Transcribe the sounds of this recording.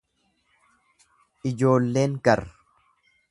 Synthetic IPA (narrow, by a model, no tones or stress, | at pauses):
ʔɪd͡ʒo̞ːlːe̞ːŋkɐɾ